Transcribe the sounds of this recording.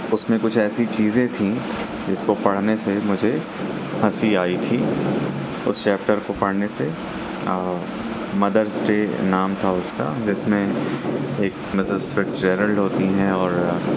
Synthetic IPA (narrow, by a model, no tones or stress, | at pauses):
ʊsmẽkʊt͡ʃʰɛːsit͡ʃiːzẽt̪ʰĩ | d͡ʒɪskopɐɽ̤nesemʊd͡ʒʱe | hɐsiaːit̪ʰiː | ʊ̰st͡ʃɛːp̚ʈəɾkopɐɽ̤nese | mɐd̪əɾsʈeːnaːmt̪ʰaʊska̰d͡ʒɪsmẽ | eːk | mɪsəsfɪʈsd͡ʒeːɾəlɦoːt̪iɦɛ̃ɔːɾ